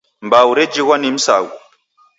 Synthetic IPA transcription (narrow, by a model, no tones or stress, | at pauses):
mbawuɾed͡ʒiɣwanim̩sa̰wu